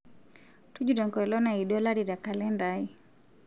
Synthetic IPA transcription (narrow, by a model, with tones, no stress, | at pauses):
tu˦d͡ʒuɾɔ˨ŋkɔ˨ɛlɔ˦na˨iɗɔ˦la˦ɾi˨ɾa˨ka˨lɛ˦ndai˦